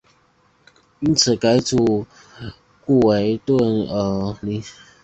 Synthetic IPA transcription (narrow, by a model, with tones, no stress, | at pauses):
i˧˥nt͡sʰɹ̩˨˩ka˧˥ɪt͡su˨˩ | ku˥˩we˧˦ɪt̪wə˥˨nə˨˩li˧˩